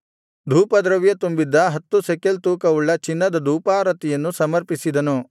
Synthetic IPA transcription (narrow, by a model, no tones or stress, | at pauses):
d̪ʱuːpɐd̪ɾɐʋjɐt̪umbid̪ːɐɦɐt̪ːusekelt̪uːkɐuɭːɐt͡ʃinːɐd̪ɐd̪ʱuːpaːɾɐt̪ijɐnːusɐmɐɾpisid̪ɐnu